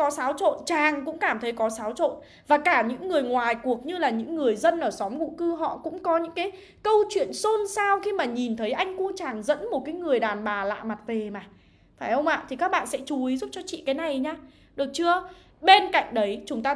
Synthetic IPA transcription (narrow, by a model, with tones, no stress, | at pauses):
kɔ˨˦saː˨˦wt͡ɕo̰˧˨nt͡ɕaː˨˩ŋkʊ̰˧˥ŋ͡mkaː˧˩mt̪ʰə˨˦jkɔ˨˦saː˨˦wt͡ɕo̰˧˨n | vaː˨˩kaː˧˩ɲɨ̰˧˥ŋːɨ˨˩əjŋwaː˨˩jku˨˩ək̚ɲɨ˧laː˨˩ɲɨ̰˧˥ŋːɨ˨˩əjzə˧nʔəː˧˩sɔ˨˦mŋṵ˧˥kɨ˧ɦɔ̰˧˨kʊ̰˧˥ŋ͡mkɔ˨˦ɲɨ̰˧˥ŋkaː˨˦j | kə˧wt͡ɕwḭ˧˨ənso˧nsaː˧wxi˧maː˨˩ɲi˨˩nt̪ʰə˨˦jʔa˧jŋ̟ku˧t͡ɕaː˨˩ŋzə̰˧˥nmo˨˩t̚kaː˨˦jŋɨ˨˩əjɗaː˨˩nɓaː˨˩la̰ː˧˨jma˨˩t̚ve˨˩maː˨˩ | faː˧˩jhə˧wŋ͡mʔa̰ː˧˨t̪ʰi˨˩kaː˦˥k̚ɓa̰ː˧˨nsɛ̰˧˥t͡ɕu˨˦ʔi˨˦zu˦˥p̚t͡ɕɔ˧t͡ɕḭ˧˨kaː˨˦jna˨˩jɲaː˧ | ɗɨ˨˩ək̚t͡ɕɨ˧ə | ɓe˧nka̰˧˨jŋ̟ɗə˨˦jt͡ɕʊ˨˦ŋ͡mt̪aː˧